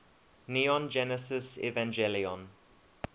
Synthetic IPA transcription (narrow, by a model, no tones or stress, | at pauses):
niɔ̃nd͡ʒɛnəsɪsɛ̰vãnd͡ʒɛliɔ̃n